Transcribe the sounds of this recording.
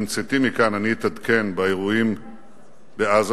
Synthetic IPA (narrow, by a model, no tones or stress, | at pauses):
mt͡set̪imikananit̪ad̪ke̞nbaeʁuim | beaz